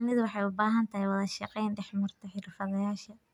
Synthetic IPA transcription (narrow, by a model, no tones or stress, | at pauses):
nɪðʊwɑħɑjʊbaːɦɐnt̪ʰɐɦɛjwɑðɐʃɑqɛjnɖɛħmʊrt̪ʰɐħɪrfɐðɐjaːʃɐ